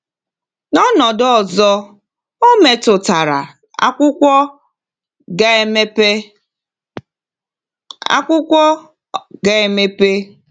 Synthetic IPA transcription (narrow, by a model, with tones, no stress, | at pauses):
nɔ˦nɔ˨dɔ˦˨zɔ˦ | o˦me˨tʊ˨ta˨ɾa̰˨ | a̰˦kʷʊ˦kʷɔ˦ | ɡm˦pe˦ | a̰˦kʷʊ˦kʷɔ˦ | ɡe˦e˨me˦pe˦